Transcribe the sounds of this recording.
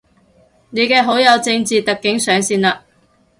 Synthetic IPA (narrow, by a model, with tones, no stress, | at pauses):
ne˨˧jkɛː˧ɦo˨˥wjɐ˨˧wt͡sɪ˧ŋt͡siː˨t̪ɐ˨kːɪ˨˥ŋsœː˨˧ŋsiː˧nlaː˧